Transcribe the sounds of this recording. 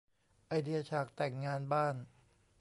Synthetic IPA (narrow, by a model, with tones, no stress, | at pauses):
ʔa˧jdi˧ɐ˧t͡ɕʰaː˨˩k̚t̪ɛ˨˩ŋːaː˧nbaː˥˩n